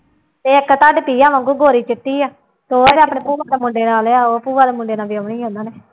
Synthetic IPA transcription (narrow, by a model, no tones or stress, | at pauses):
t̪eːɪkːt̪aːɖpiːaːmãŋɡuːɡoːɾiːt͡ʃɪʈ̪ːiːaː | t̪oːeːɽeapɽeːpuːaːd̪eːmʊɳɖeːnaːleaːoːpuːʋaːd̪eːmʊɳɖeːnaːbiːəʋɳiːɦõːnd̪aːneː